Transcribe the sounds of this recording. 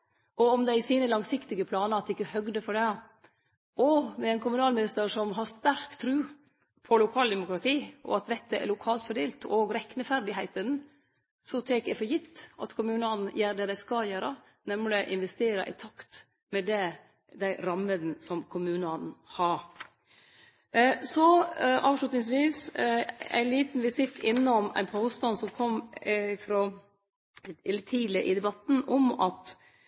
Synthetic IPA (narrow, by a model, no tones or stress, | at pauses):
ɔɔmd̪ɛɪsiːnəlɑŋsɪkt̪ɪɡəpʰlɑːnəɾɑt̪ːɪkːəhœɡd̪əfɔɖɛ | ɔmɛɛɪnkʊmʉnɑːlmɪnɪst̪əɾsɔmɦɑst̪æɾkt̪ʰɾʉː | pʰɔlʊkʰɑːld̪ɛmʊkɾɑt̪ʰiːʔɔ̰ɑt̪ʋɛt̪ːəæ̰lʊkʰɑːlt̪fɔɖeːlt̪ʰoːɡɾɛkːnəfæɾd̪ɪɦæɪt̪ən | sɔt̪ʰɛːkæfɔjɪt̪ːʔɑ̰t̪kʰʊmʉːnɑnn̩jæːɾɖ̪ɛd̪æɪskɑljæːɾə | nɛmlɪʔɪnʋɛst̪eːɾə̰ʔɪ̰t̪ʰɑkt̪ | mɛd̪ɛ | d̪æɪɾɑmːəd̪n̩sɔmkʰʊmʉːnɑnn̩hɑɾ | sɔʔɑːʋʂɭʉt̪nɪŋs̬ʋiːs | æ̰ɪnliːt̪n̩ʋɪsɪfɪnːɔmæ̰ɪnpʰoːst̪ɑnsɔmkʰɔmːɪfɾoː | ɪlːət̪ʰiːləʔɪd̪ɛbɑt̪n̩ɔmɑt̪